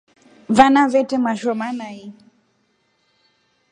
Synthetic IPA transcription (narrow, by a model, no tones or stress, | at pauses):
vanavɛtɛmaʃɔmanai